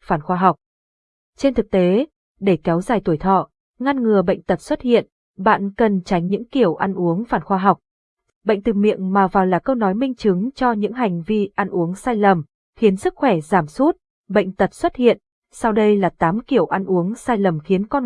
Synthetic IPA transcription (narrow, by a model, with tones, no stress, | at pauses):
faː˨˩nxwaː˧ɦa˨˩wk͡p̚ | t͡ɕe˧nt̪ʰɨ˨˩k̚t̪e˨˦ | ɗe˧˩kɛ˨˦wzaː˨˩jt̪u˧˩əjt̪ʰɔ̰˧˨ | ŋa˧nŋɨ˨˩əɓə̰˧˨jŋ̟t̪ə˨˩t̚swə˦˥t̚hḭ˧˨ən | ɓa̰ː˧˨nkə˨˩nt͡ɕa˨˦jŋ̟ɲɨ̰˧˥ŋki˧˩əwʔa˧nʔu˨˦əŋfaː˧˩nxwaː˧ɦa˨˩wk͡p̚ | ɓə̰˧˨ŋ̟t̪ɨ˨˩mḭ˧˨ənmaː˨˩vaː˨˩wlaː˨˩kə˧wnɔ˨˦jmï˧ŋ̟t͡ɕɨ˨˦ŋt͡ɕɔ˧ɲɨ̰˧˥ŋɦa˨˩jŋ̟vi˧ʔa˧nʔu˨˦əŋsaː˧jlə˨˩m | xi˨˦ənsɨ˦˥k̚xwɛ˧˩zaː˧˩msu˦˥t̚ | ɓə̰˧˨jŋ̟t̪ə˨˩t̚swə˦˥t̚hḭ˧˨ən | sa˧wɗə˧jlaː˨˩t̪aː˨˦mki˧˩əwʔa˧nʔu˨˦əŋsaː˧jlə˨˩mxi˨˦ənkɔ˧n